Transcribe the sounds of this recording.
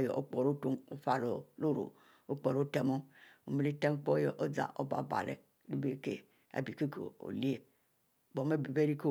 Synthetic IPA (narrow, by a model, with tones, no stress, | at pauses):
jɔ̰˨ʔo˦k͡pɔ˨ɾo˦to˦ŋo˦fa˦lo˨lo˦ɾo̰˨ | o˦k͡pɔ˨ɾo˦tɛ˦mo˦o˨me˨le˦te˦m˦k͡pɔ˦jɔ˨ʔo˦d͡za̰˨ʔo˦ba̰˨˦˨ba̰˨lḛ˨ | li˦be˦kḛ˨ | a̰˨bi˨ke˦kḛ˨o̰˨li˦e˨ | bɔ˨me˦bi˨be˦ɾi˦ke˦